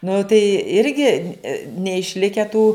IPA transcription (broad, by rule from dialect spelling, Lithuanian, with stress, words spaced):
nʊ tɐɪ ˈɪrʲɡʲɪ nʲɛɪʃʲˈlʲɪkʲæː tuː